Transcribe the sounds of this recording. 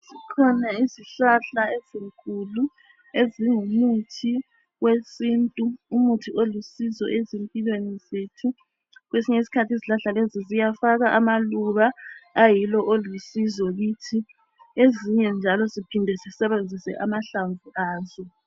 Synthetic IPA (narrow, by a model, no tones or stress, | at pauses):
sikʰɔnaiziɬaɬaeziŋkʰʼulu | eziŋumutʰi | ɣwesintʼuumutʰiolusizɔ̰ʔezempʼilwenizetʰu | ɣwesiɲeisi̥kʰatʰiziɬaɬalezizijafaɣaʔamaluβaːjilɔʔolusizɔɣitʰi | eziɲɛnd͡ʒʱalɔzipʰindʱɛzisɛβend͡zʱisɛ̰ʔamaɬaɱvuʔaːzɔ